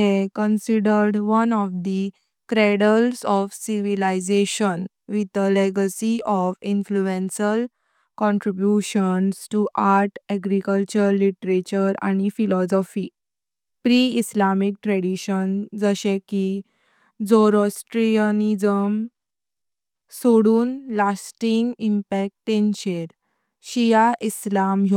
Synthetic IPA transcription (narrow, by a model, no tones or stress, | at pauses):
ekənsiɖəɾɖʋənɔfd̪i | kɾeɽəlsɔfsiʋilaid͡zeɕən | ʋit̪aleɡəsiʔɔfinfluẽnsəl | kɔ̃ɳʈɾibjuɕənsʈuʔaɾʈɛɡɾikəlt͡ɕəɾːiʈəɾet͡ɕəɾa̰ñifilɔsɔfiː | pɾiislamik̚ʈɾɛɽiɕənd͡zəɕeki | d͡zoɾɔsʈɾiənid͡zəm | soɽuːnlasʈiŋɡimpɛk̚ʈːenɕeɾ | ɕijaʔislamɦo